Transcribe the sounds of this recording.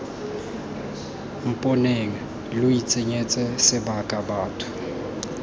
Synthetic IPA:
m̩pʼɔneŋa | lʊit͡sʼeɲɛt͡sʼɛsɪbakʼabaːtʰʊ̥

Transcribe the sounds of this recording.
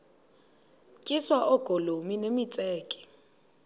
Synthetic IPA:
kʼiswaʔɔɡ̥ʱolominemit͡sʼɛːkʼɛ̥

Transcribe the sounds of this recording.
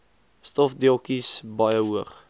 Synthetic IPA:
stɔfdilˠkisbɑjəɦuəχ

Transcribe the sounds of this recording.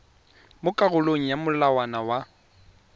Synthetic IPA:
mʊkʼaɣʊloŋ̩jamʊlawanawa

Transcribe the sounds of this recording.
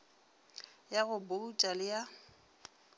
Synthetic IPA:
jaɣʊbot͡ʃʼalɪja

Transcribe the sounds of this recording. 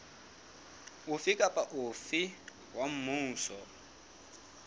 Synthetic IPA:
ufikʼapaʔufi | ɦwam̩muːsɔ

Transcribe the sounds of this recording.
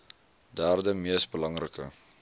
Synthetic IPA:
dæːrdəmiəsbəlɐŋrəkə̰

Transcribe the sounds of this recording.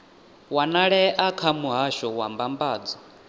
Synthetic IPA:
wanaɺɛʔakʰamuɦaʃɔwambambaːd͡zɔ

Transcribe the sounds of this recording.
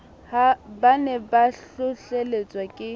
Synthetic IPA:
habanɛbaɬʊɬelet͡sʼwakʼɪ

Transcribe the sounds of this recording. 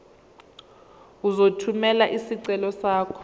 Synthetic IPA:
uzotʰumɛlaʔisiǀɛlɔsaːkʰɔ̥

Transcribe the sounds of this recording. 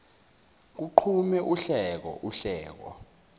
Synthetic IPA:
k̬uǃʰumɛʔuɬɛk̬ɔ̰ʔuɬɛːk̬ɔ̰

